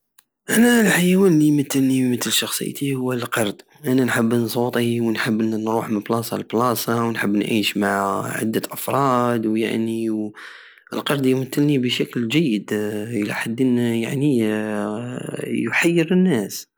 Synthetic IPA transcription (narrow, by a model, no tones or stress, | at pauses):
ʔænælħajwænlijmət̪ːəlnimət̪əlʃɑxsˤə̰jt̪ʰihʊwːəlqɑɾˤd̪ | ʔænænħəbːnsˤut̪ˤiwnħəbːnɾuħmənblɑsˤɑ̰lblɑsɑwnħəbːnʕiʃmaʕʕa̰d̪ːæʔəfɾˤɑd̪wja̰ʕniw | ə̰lqɑɾˤd̪jmət̪ːəlnibəʃæklʒəjːəd̪ʔəlæ̰ħad̪ːənja̰ʕni | jʊħajːəɾənːæs